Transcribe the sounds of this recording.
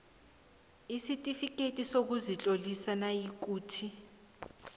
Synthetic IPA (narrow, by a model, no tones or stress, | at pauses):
isitʼifik̬ʼetʼisok̬uzit͡ɬʼolisanajik̬uːtʰi